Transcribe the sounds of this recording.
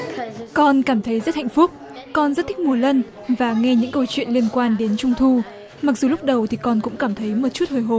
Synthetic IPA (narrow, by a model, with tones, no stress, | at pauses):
kɔ˧nkaː˧˩mt̪ʰə˨˦jzə˦˥t̚ha̰˧˨ŋ̟fʊ˦˥k͡p̚ | kɔ˧nzə˦˥t̪̚i˦˥k̚mu˧˩ələ˧n | vaː˨˩ŋɛ˧ɲɨ̰˧˥ŋkə˧wt͡ɕwḭ˧˨ənli˧ənkwaː˧nɗe˨˦nt͡ɕʊ˧ŋ͡mt̪ʰu˧ | ma˨˩k̚zu˨˩lʊ˦˥k͡p̚ɗə˨˩wt̪ʰi˨˩kɔ˧nkʊ̰˧˥ŋ͡mkaː˧˩mt̪ʰə˨˦jmo˨t̚t͡ɕu˦˥t̚hʰəː˨˩jɦo˧˩